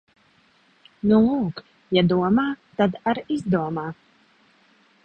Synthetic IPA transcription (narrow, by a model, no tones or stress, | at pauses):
nulˠuːk | jad̪uɔmaːt̪ad̪aɾizd̪uɔmaː